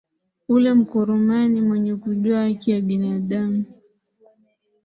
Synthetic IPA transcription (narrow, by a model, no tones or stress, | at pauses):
ulɛm̩kɔɾɔmanimwɛɲɛkuʄuaakijaɓinaɗamu